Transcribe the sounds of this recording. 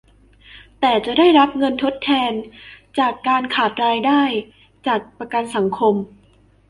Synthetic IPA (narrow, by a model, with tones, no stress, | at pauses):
t̪ɛː˨˩t͡ɕa˨˩daː˥˩jɾa˦˥p̚ŋɤ˧nt̪ʰo˦˥t̪ʰːɛː˧nt͡ɕaː˨˩kːaː˧nkʰaː˨˩t̪̚ɾaː˧jdaː˥˩j | t͡ɕaː˨˩k̚pɾa˧ka˧nsa˩˦ŋkʰo˧m